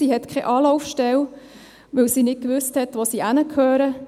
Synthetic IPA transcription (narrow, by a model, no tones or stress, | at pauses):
siɦɛt̪kʰɛʔɑːlɔʊfʃtɛl | ʋɵwsinɪt̚kʋʏsthɛt̪ʋosiʔænəkʰhøːɾə